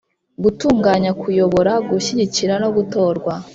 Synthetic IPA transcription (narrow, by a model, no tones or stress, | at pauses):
ɡutuːŋɡaːɲakʰujoβo̞ɾaɡuɕiɟiciɾano̞ɡuto̞ːɾɡwa